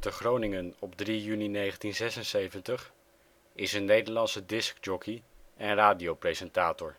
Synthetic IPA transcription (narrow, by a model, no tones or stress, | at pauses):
təχrownɪŋənɔbdrijyninejχəntinzɛsənsejvəntəχ | ɪsənːejdəɹlɑnsədɪsk̚d͡ʒɔkiɛnraːdiowprejzɛntaːtɔɹ